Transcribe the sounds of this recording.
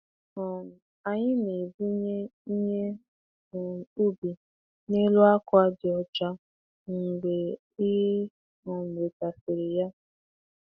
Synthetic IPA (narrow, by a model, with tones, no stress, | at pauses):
ɔ˨ | a˨ɲɪ˦ne˨bu˦ɲe˦ɲe˦˨ | u˦bi˨ | ne˦lu˦a˦kʷa˦dɪ˨ɔ˨t͡ʃa˦ | ŋ̩˨ɡ͡be˨ | i˦ɦe˦ | ɔ˨m̩˨ɾe˨ta˨fɪ˨ɾɪ˨ja˦